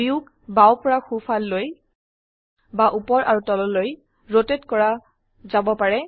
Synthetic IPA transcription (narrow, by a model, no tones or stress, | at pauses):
iuk | bawpɔɹaxupʰalːoj | baʔupɔɹʔa̰ɹutɔlɔloj | ɹotetkɔɹa | zabɔpaɹɛ